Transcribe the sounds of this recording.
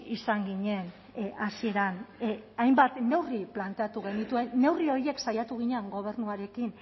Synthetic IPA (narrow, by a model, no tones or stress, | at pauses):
isaŋɡiɲe̞n | asie̞ɾanajmbat̪ne̞wriplant̪e̞at̪uɣe̞nit̪ue̞ːe̞wrio̞ɾie̞ksajat̪uɣ̞iɲeeaŋɡo̞β̞e̞rnuaɾe̞kin